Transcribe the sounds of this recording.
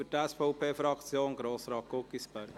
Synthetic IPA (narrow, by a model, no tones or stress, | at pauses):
ytɛsfoʊpʰeːfɾɑkt͡sjoːnɡɾoːsɾɑːt̚kokːispɛɾɡ